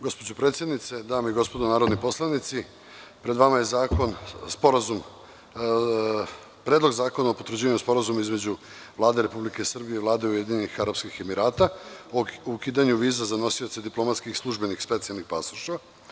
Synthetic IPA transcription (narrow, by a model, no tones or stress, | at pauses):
ɡo̞spo̞d͡ʑo̞pɾe̞ːt̪sʲjed̪nit̪se̞d̪aːmiɡo̞spo̞d̪onaːɾod̪nipo̞slˠanit̪si | pɾed̪ʋamaje̞zakonspoɾazum | pɾeːd̪lo̞ɡzaːko̞naopot̪vɾ̩d͡ʑiːʋaɲuspo̞ɾazumaizme̞d͡ʑu | vlˠaːd̪eɾe̞publike̞isr̩bijeiʋlˠaːd̪eujed̪iɲenixaɾapskixe̞miɾaːt̪aoukiːd̪aɲuʋiːzazano̞sio̞t̪sed̪iplo̞mat̪skixslˠuʒbe̞nixspe̞t̪sialnixpasuʃtʋa